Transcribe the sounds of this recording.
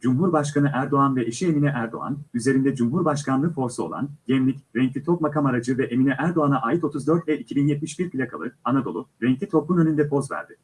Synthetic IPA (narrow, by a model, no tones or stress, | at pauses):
d͡ʒumɦuɾbaʃkanɯʔæɾd̪o̞anvɛʔeʃie̞minɛʔæɾd̪o̞̰a̰nyze̞ɾind̪ɛd͡ʒumɦuɾbaʃkanˠɯfo̞ɾsuo̞̰lˠa̰nɟɛmlʲicɾɛɲclʲit̪ʰo̞k̚makamaɾad͡ʒɯvɛʔeminɛʔæɾd̪o̞anaʔaːjit̪o̞t̪ʰuzd̪øɾt̪vɛicʰibinjɛt̪̚miʃbiɾkilʲakʰalˠɯanad̪o̞̰lˠuɾɛɲclʲit̪ʰo̞klunønynd̪ɛpʰo̞zvæ̰ɾd̪ɪ